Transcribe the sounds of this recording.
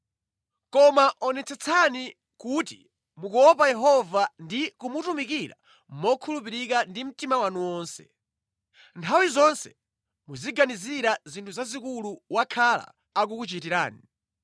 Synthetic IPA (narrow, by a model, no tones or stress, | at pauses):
kɔmaʔɔnɛt͡sɛt͡sʰani | kutḭ | mukuɔpajɛɦɔvandikumutumikiɾa̰ | mɔkʰulupiɾik̬andim̩timawanuwɔːnsɛ̥̰ | ntʰawizɔnsɛ̥ | muziɡaniziɾazintʰuzazikuluwakʰala̰ː | k̬ukut͡ʃitiɾa̰ːni